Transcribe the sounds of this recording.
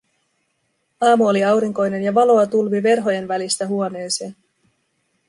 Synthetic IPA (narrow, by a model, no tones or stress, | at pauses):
ɑːmuoliɑwɾiŋko̞jne̞njɑʋɑlo̞ɑt̪ulʋiʋe̞rɦo̞je̞nʋælist̪æɦuone̞ːseːn